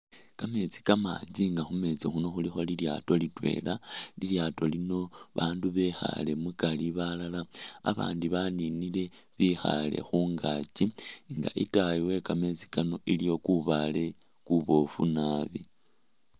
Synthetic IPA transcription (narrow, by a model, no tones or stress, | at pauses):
kame̞t͡si̥kama̰ːɲd͡ʒiŋɡaxume̞t͡sixuno̞xulixo̞lilja̰ːto̞litwe̞̰laliljaːto̞lino̞βaːnduβe̞xa̰le̞mukaliβalalaa̰βa̰ːndiβaninile̞ | βixa̰le̞̰xuːŋɡat͡ʃiŋɡa̰ʔitajiwe̞kame̞t͡si̥kano̞ʔilijo̞kuβale̞ | kuβo̞funaːβi